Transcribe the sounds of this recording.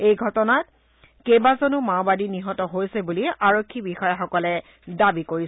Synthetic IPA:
ejɡʱɔtɔnat̚ | kejbazonumabadiniɦɔtɔɦojsɛbuliaɹokʰːibixɔjaxɔkɔlɛ | dabikoɹi

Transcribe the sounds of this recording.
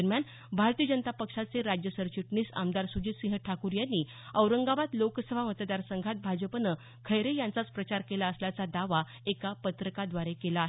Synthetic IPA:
əɾmjan | bʱaɾt̪iəd͡ʑənət̪apəkʂat͡seɾad͡ʑjəsəɾt͡ɕiʈɳiːsa̰md̪aɾsud͡ʑiːt̪sĩŋɦəʈʰakuɾjanːiː | əwɾəŋɡabat̪loksəbʱamət̪d̪aɾsəŋɡʱat̪̚bʱad͡ʑəpənə | kʰəjɾejãnt͡sat͡spɾət͡ɕaɾkelaəsljat͡sad̪aʋa | ekapət̪ɾəkad̪ʋaɾekelaɦ

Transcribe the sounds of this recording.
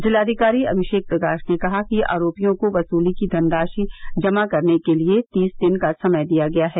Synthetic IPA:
zɪlaːd̪ʱikaːɾiɐ̰bʱɪʃeːk̚pɾɐkaːʃnekɐɦakia̰ːɾoːpijõkoʋɐsuːlikid̪ʱɐnd̪aːʃid͡ʒɐmakɐɾnekeliet̪iːsd̪ɪnkasɐməjd̪ijaɡɐjaɦɛː

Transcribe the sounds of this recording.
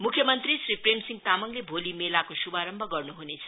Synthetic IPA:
mukʰjʌmʌnt̪risripremsiŋɡt̪amʌŋlebʱolimelakosubʱaɾʌmbʱʌɡʌrnuɦunet͡sʰʌ̥

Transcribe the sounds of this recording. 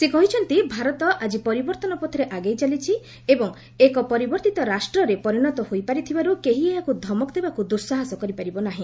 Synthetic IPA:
sekɔɦit͡ʃʰɔnt̪ibʱaɾɔt̪ɔʔad͡ʒipɔɾibɔɾt̪ɔnɔpɔt̪ʰɾeʔaɡejt͡ʃalit͡ʃʰi | ebɔŋ | ekɔpɔɾibɔɾt̪it̪ɔɾasʈɾɔɾepɔɾiñɔt̪ɔhojpaɾit̪ʰibaɾukeɦieakud̪ʱɔmɔkd̪ebakud̪uɾsaɦasɔkɔɾipaɾibɔnaɦĩ

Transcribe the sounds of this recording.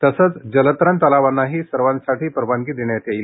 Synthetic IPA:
t̪əsəːt͡sd͡ʑələt̪ɾənt̪əlaʋanːaɦiːsəɾʋansaʈiːpəɾbaŋkiːd̪eɳjat̪jail

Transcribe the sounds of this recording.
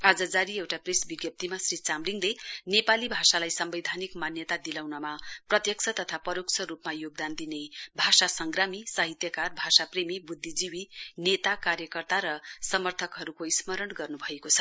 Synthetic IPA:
ad͡zʌd͡zaɾiewʈapresbiɡjʌp̚t̪imasrit͡samliŋlenepalibʱasalajsʌmbʌjd̪ʱanikmanjʌt̪ad̪ilawnʌmaprʌt̪jʌk̚t͡sʰʌt̪ʌt̪ʰapʌɾok̚t͡sʰʌɾupmajoɡ̚d̪and̪inebʱasasʌŋɡramisaɦit̪jʌkarbʱasapremibud̪ʱːid͡ziwinet̪akaɾjʌkʌrt̪aɾʌsʌmʌrt̪ʰʌkɦʌɾukoismʌɾʌnɡʌrnubʱʌekot͡sʰʌ̥

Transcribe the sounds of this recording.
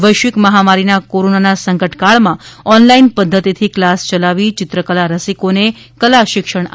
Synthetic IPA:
ʋəjʃʋɪkməɦamaɾinakoɾonanasəŋkəʈkaɭmãɔnlainpəd̪ʱːət̪it̪ʰiklast͡ʃəlaʋit͡ʃɪt̪ɾəkəlaɾəsikone | kəlaʃɪkʃəɳ̃a

